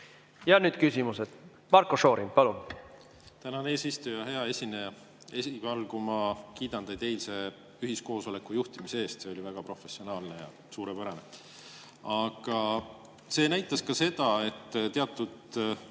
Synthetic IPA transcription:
jɑnyːd̪kysimused̪̥ | mɑɾkoʃo̞ːɾimpɑlun | t̪ænɑneːsist̪ujɑɦe̞ɑe̞sʲineɑ | esivɑlkumɑkiːd̪̥ɑnd̪ɑjd̪e̞jlse̞ː | yɦisko̞ːso̞le̞kːˑujuht̪imisee̞ːst̪se̞olʲivæɡ̥ɑpɾro̞fe̞sːio̞nɑːlne̞jɑ̰ | suːɾepæɾɑne̞ | ɑɡ̥ɑ | se̞ːnæjt̪ːˑɑskɑse̞d̪̥ɑe̞t̪ːt̪e̞ɑt̪ːˑud̪

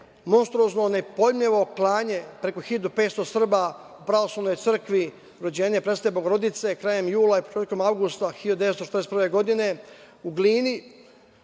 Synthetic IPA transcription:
mo̞nst̪ɾuoznonepo̞jmʎeʋo̞klˠaːɲe̞pɾe̞ko̞xid̪upe̞ːt̪st̪osr̩ba | upɾaʋo̞slˠaʋno̞jt̪sɨr̩kʋi | ɾo̞d͡ʑe̞ːɲepɾest̪oebo̞ɡoɾo̞d̪it̪se̞kɾaːje̞mjuːlˠaipot͡ʃeːt̪ko̞mawɡust̪axiod̪est̪ot͡ʃe̥t̪ɾesprʋe̞ɡo̞d̪ine̞ | uɡliːni

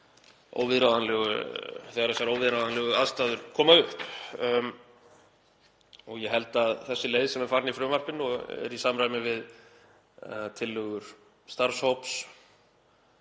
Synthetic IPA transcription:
o̰ːwvɪðɾaːðanlɛːɣʏ̰θɛɣaɾθɛsːaɾoːwvɪðɾaðanlɛːɣʏaðst̪aːðʏɾ̥kʰɔːmaʏhp | ɔɣjɛɦɛlt̪aðθɛsːɪleːjðsɛmɛɾ̥faɾnifɾʏːmar̥pɪnɔɣɛ̰ɾisaːmɾaːjmɪvɪð | t̪ʰɪlːœːɣʏɾ̥ | st̪aɾ̥showps

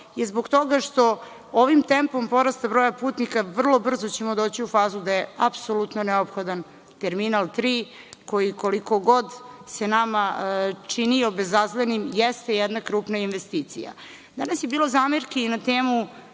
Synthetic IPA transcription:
izboɡt̪o̞ɡaʂt̪o̞ | oʋimt̪empo̞mpo̞ɾast̪abɾoːjapuːt̪nikaʋr̩lˠo̞br̩zo̞t͡ɕemo̞d̪o̞ːt͡ɕiufaːzud̪ajeapsolut̪noneopxo̞d̪an | t̪eɾminalˠt̪ɾiː | ko̞jiko̞liko̞ɡo̞d̪se̞namat͡ʂiniobezazlenimjest̪ejɛd̪nakɾuːpnainʋest̪iːt̪sḭja̰ | d̪anasjebiːlo̞zaːmeɾkeinat̪eːmu

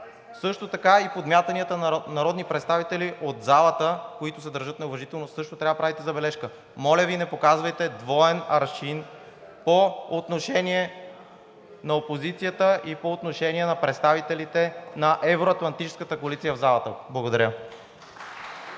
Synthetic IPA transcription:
sɤʃt̪ot̪ɐkaipod̪mʲjat̪ɐniət̪ənɐɾɔd̪nipɾɛt̪st̪avit̪ɛliʔod̪zalˠət̪əkoit̪ʊsɛd̪əɾʒɤt̪nɛovɐʒit̪ɛlˠnossɤʃt̪ot̪ɾʲavəpɾavit̪ɛzɐbɛlɛʃkə | mɔlʲəvinɛpokazvɐjt̪ɛd̪vɔɛnɐɾʃin | poot̪noʃɛniɛ | nɐopozit̪sijət̪əʔipoːt̪noʃɛniɛnɐpɾɛt̪st̪avit̪ɛlit̪ɛnɐʔɛvɾoɐt̪lˠɐnt̪it͡ʃɛ̥skət̪əkoɐlit̪sijəvzalˠɐt̪əblˠɐɡod̪ɐɾʲə

